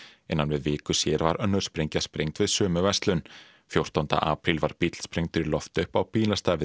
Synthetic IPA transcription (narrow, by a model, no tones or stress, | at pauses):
ɛnːanvɪðvɪːkʏsjɛːɾvaɾʔœnːʏɾ̥spɾejɲcaspɾejŋt̪vɪðsœːmʏvɛst̪lʏn | fjowr̥t̪ant̪a̰ʔaːpɾɪlvaɾ̥pit̪l̥spɾejŋt̪ʰʏɾlɔft̪ʏhpawpiːnast̪aːvɪ